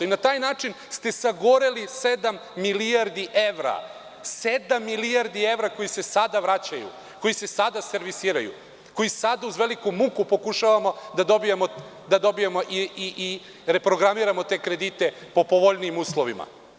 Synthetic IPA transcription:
inat̪aːjnaːt͡ʃin | st̪e̞saɡoɾelise̞d̪amːiliaɾd̪iʔeʋɾa̰ | se̞d̪amːiliaɾd̪ie̞ʋɾako̞jise̞sad̪aʋɾat͡ɕajṵ | ko̞jise̞sad̪ase̞ɾʋisiːɾajṵ | ko̞jisad̪auzʋe̞likumukupo̞kuʃaʋamo̞d̪ad̪o̞bijemo | d̪ad̪o̞bijemo̞ʔiiʔi | ɾe̞pɾo̞ɡɾamiːɾamo̞t̪e̞ːkɾe̞d̪it̪e̞po̞po̞ʋoʎnijimuːslˠoʋḭma̰

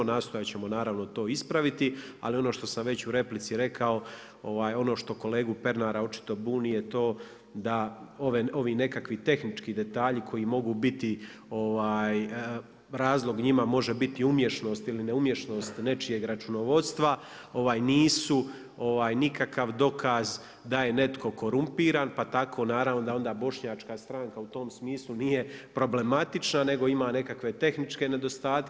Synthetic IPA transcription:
naːst̪o̞jat͡ɕe̞mo̞naːɾaʋno̞t̪o̞ːispɾaʋit̪i | a̰lio̞noʃt̪o̞samʋe̞t͡ɕuɾe̞plit̪siɾe̞kʰao̞ | o̞ʋaːjo̞no̞ːʃt̪o̞ko̞le̞ːɡupe̞ɾnaɾao̞t͡ʃi̥t̪o̞buːnije̞t̪o̞ː | d̪ao̞ʋeo̞ʋiːne̞kakʋit̪e̞xnit͡ʃkiːd̪e̞t̪aːʎikʰo̞jimo̞ɡuːbit̪io̞ʋaːj | ɾaːzlˠo̞ɡɲimamo̞ʒebit̪iumje̞ʃno̞ːst̪iline̞umje̞ʃno̞ːst̪ne̞t͡ʃije̞ɡɾat͡ʃuno̞ʋo̞d̪st̪ʋao̞ʋaːjniːsu | o̞ʋaːjnikakaʋd̪o̞kʰaz | d̪aje̞ne̞t̪ko̞ko̞ɾumpiːɾaːnpat̪akʰo̞ːnaːɾavno̞d̪ao̞nd̪aːbo̞ʃɲaːt͡ʃkast̪ɾaːŋkaut̪o̞ːmsmiːslˠuniːje̞pɾo̞ble̞mat̪it͡ʃnane̞ɡo̞imaːne̞kakʋe̞t̪e̞xnit͡ʃke̞ne̞d̪o̞st̪aːt̪

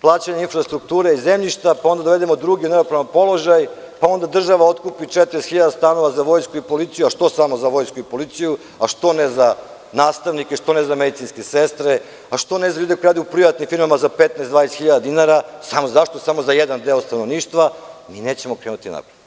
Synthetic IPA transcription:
plˠaːt͡ɕaɲeinfɾast̪ɾuk̚t̪uːɾeizemʎiʃt̪apao̞nd̪ad̪oʋe̞d̪emod̪ɾuɡʲiuneopɾaʋanpo̞lo̞ʒaj | pao̞nd̪ad̪r̩ʒaʋaot̪kupit͡ʂet̪ɾest̪xiʎad̪ast̪ano̞ʋazaʋo̞jskuipo̞lit̪sijuaʃt̪o̞samo̞zaʋo̞jskuipo̞lit̪siju | aʃt̪o̞neza | naːst̪aʋnikeʃt̪o̞nezamed̪it̪sinskesest̪ɾe | aʃt̪o̞nezaʎuːd̪ekojɾad̪uupɾiʋat̪nimfiɾmamazapet̪naesd̪vanest̪xiʎad̪ad̪inaɾasamozaʃt̪osamo̞zajed̪and̪eost̪ano̞ʋniːʃt̪ʋamineːt͡ɕemokɾeːnut̪ina̰pɾed̪

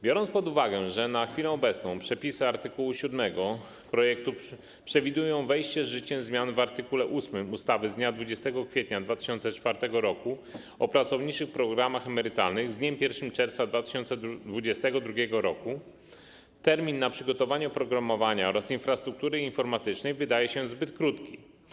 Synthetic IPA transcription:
bʲjɔɾɔntspɔd̪uvaɡɛʐɛnaxfʲilɛ̃ɔbɛt̪snɔ̃w̃pʂɛpʲisɘaɾt̪ɘkuwuɕud̪mɛɡɔ | pɾɔjɛk̚t̪u | pʂɛvʲid̪ujɔ̃w̃vɛjɕt͡ɕɛzʐɘt͡ɕɛmzmʲjanvaɾt̪ɘkulɛʔusmɘmust̪avɘzd̪ɲad̪vud͡ʑɛst̪ɛɡɔkfʲjet̪ɲad̪vat̪ɘ̥ɕɔnt̪sɛt͡ʂfaɾt̪ɛɡɔɾɔku | ɔpɾat̪sɔvɲit͡ʂɘxpɾɔɡɾamaxɛmɛɾɘt̪alnɘɣzd̪ɲɛmpʲjɛɾfʂɘmt͡ʂɛɾft̪sad̪vat̪ɘ̥ɕɔnt̪sɛd̪vud͡ʑɛst̪ɛɡɔd̪ɾuɡʲjɛɡɔɾɔku | t̪ɛɾmʲinːapʂɘɡɔt̪ɔvaɲɛpɾɔɡɾamɔvaɲaɔɾasinfɾast̪ɾuk̚t̪uɾɘinfɔɾmat̪ɘt͡ʂnɛjvɘd̪ajɛɕɛzbɘt̪kɾut̪kʲi

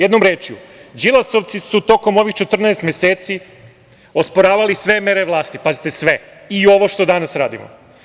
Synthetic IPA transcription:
jed̪nomɾeːt͡ʃjṵd͡ʒilˠaso̞ʋt̪sisut̪o̞ko̞mo̞ʋixt͡ʃe̞t̪r̩naest̪mjeseːt̪si | o̞spoɾaːʋalisʋe̞me̞ɾe̞ʋlˠaːst̪ipazit̪e̞sʋe | io̞ʋoʃt̪o̞d̪anasɾaːd̪ḭmo̰

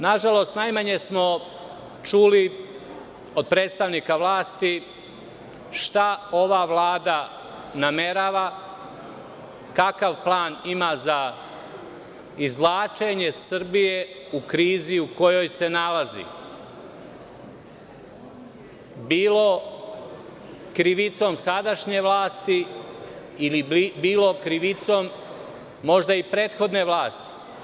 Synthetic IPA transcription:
naʒalo̞st̪najmaɲe̞smo̞ | t͡ʃuːli | od̪̚pɾe̞ːt̪st̪aʋnikaʋlaːst̪i | ʃt̪ao̞ʋaʋlaːd̪a | name̞ɾaːʋa | kakaʋplˠaːnimaza | izlˠaːt͡ʃe̞ɲe̞srbije̞ | ukɾiːziuko̞jo̞jse̞nalazḭ | biːlo̞ | kɾiʋit̪so̞msad̪aʃɲe̞ʋlˠaːst̪i | ilibiːlo̞kɾiʋit̪so̞mː | o̞ʒd̪aipɾe̞ːt̪xo̞d̪ne̞ʋlaːst̪i̥

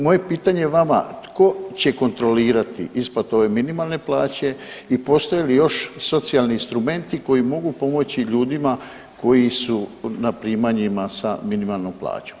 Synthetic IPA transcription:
mo̞je̞piːt̪aɲeʋama̰t̪ko̞t͡ɕe̞ko̞nt̪ɾo̞liːɾat̪ʰḭʔispat̪o̞ʋe̞minimalˠne̞plˠaːt͡ɕe̞ipo̞st̪ojelijo̞ʃso̞t̪sialˠniinst̪ɾume̞nt̪iko̞jimo̞ɡupo̞mo̞t͡ɕiʎuːd̪ima | ko̞jisunapɾiːmaɲimasa̰minimalˠno̞mplˠa̰ːt͡ɕo̥m

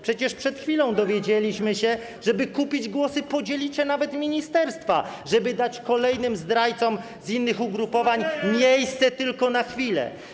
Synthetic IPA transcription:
pʂɛt͡ɕɛʂpʂɛt̪xfʲilɔ̃w̃d̪ɔvʲjeɛd͡ʑelʲiɕmɘɕɛ | ʐɛbɘkupʲid͡ʑɡwɔsɘpɔd͡ʑelʲit͡ɕɕɛnavɛt̪mʲiɲist̪ɛɾst̪faʐɛbɘd̪at͡ɕkɔlɛjnɘmzd̪ɾajt̪sɔm | zinːɘxuɡɾupɔvaɲmʲjejst̪sɛt̪ɘlkɔnaxfʲilɛ̰

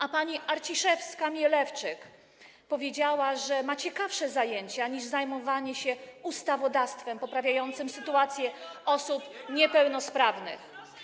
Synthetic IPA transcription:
ʔapaɲiʔaɾt͡ɕiʂɛfskamʲjɛlɛft͡ʂɘk | pɔvʲjed͡ʑawaʐɛmat͡ɕɛkafʂɛzajeɲt͡ɕaɲiʐzajmɔvaɲɛɕɛust̪avɔd̪ast̪fɛmpɔpɾavʲjajɔnt̪sɘmsɘt̪uat̪sʲjɛɔsupɲɛpɛwnɔspɾavnɘ̰x

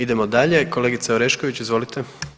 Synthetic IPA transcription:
id̪emod̪aʎe̞ko̞leɡit̪seoɾe̞ʃko̞ʋit͡ɕizʋo̞lit̪e

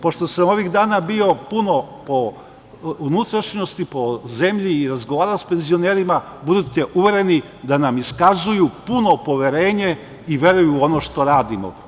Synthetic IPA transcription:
po̞ʃt̪o̞samo̞ʋiɣd̪aːnabio̞puno̞po̞ | unut̪ɾaʃɲost̪ipo̞ze̞mʎiːɾazɡoʋaːɾalospe̞nzio̞neːɾima | bud̪ut̪e̞ʔuʋe̞ɾe̞ni | d̪anamiskazujupuno̞po̞ʋe̞ɾeːɲe̞ | iʋje̞ɾujuːo̞noʃt̪o̞ɾaːd̪imo̰

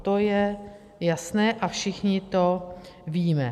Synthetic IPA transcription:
t̪o̞jɛ | jasnɛːʔafʃɪxɲɪt̪o̞ | viːmɛ

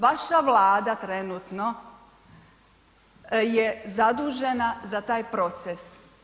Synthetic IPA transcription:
ʋaʃaʋlaːd̪at̪ɾenuːt̪no̞ | jezad̪uːʒe̞nazat̪aːjpɾo̞t̪ses

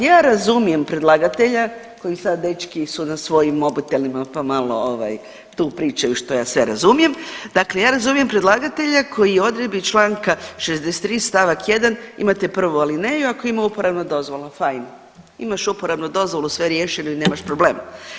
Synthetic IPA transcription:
jaːɾazumije̞mpɾe̞d̪lˠaɡat̪e̞ʎa | ko̞jisad̪d̪e̞t͡ʃkisunasʋo̞jimo̞but̪e̞limapamalˠo̞̰oʋa̰j | t̪uːpɾiːt͡ʃaiʃt̪o̞ja̰ːsʋeɾa̰zumije̞md̪akle̞jaːɾazumijempɾe̞d̪lˠaɡat̪e̞ʎakʰo̞jijeo̞d̪ɾed̪bit͡ʃlˠaːŋkaʃezd̪ese̥t̪ːɾiːst̪aʋakje̞d̪anḭmat̪epr̩ʋualine̞juako̞imaupo̞ɾaʋnod̪o̞zʋo̞lafajn | ḭmaʃupo̞ɾaʋnud̪o̞zʋo̞lusʋeɾjeʃenuine̞ːmaʃpɾo̞ble̞̰ːma

